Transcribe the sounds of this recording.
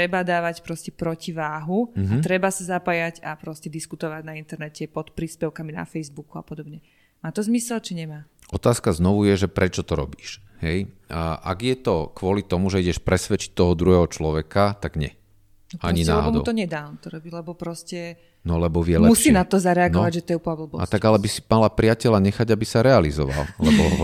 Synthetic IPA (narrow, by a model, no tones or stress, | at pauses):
t̪ɾɛbad̪aːʋacpɾɔscɛpɾɔciʋaːɦuɦaɾɛbasazapaːjaɟapɾɔscɛd̪iskut̪ɔʋaɟnaint̪ɛɾnɛcɛpɔt̪pɾiːspɛʊkamina̰fɛjzbukuapɔd̪ɔbɲɛ | maːt̪ɔzmisɛlt͡ʃiɲɛmaː | ɔt̪aːskaznɔʋujɛʒɛpɾɛt͡ʃɔt̪ɔɾɔ̰biːʃ | hɛjʔa̰ɡjɛt̪ɔkʋʊɔlit̪ɔmuʒɛiɟɛʃpɾɛsʋɛt͡ʃi̥t̚t̪ːɔɦɔd̪ɾuɦɛɦɔt͡ʃlɔʋɛkat̪aɡɲɛ̰ | aɲina̰lɛɦɔmd̪ṵʊt̪ɔɲɛd̪aːmt̪ɔɾɔbilɛbɔpɾɔscɛ | nɔlɛbɔʋɪɛlɛmusʃiːnat̪ɔzaɾɛaɡnɔʋaɟʒɛt̪ɔjɛupabl̩bɔ̰a̰tt̪aɡalɛbisi̥malapɾɪacɛlaɲɛxaɟabisaɾɛalizɔ̰ʋa̰llɛbɔ